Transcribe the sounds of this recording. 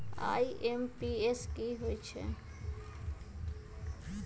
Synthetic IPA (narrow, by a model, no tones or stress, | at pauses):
a̰ːiʔempieskiɦoit͡ʃʰḛ